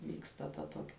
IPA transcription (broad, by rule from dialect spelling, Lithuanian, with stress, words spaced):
ˈʋʲiːkstɐ tɐ ˈtoːkʲɛ